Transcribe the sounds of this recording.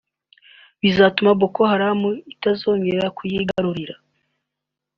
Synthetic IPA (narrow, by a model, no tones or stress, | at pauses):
βizatumaβokohaɾamuitazo̞ːɲɡeɾakʰujiɡaɾuɾiɾa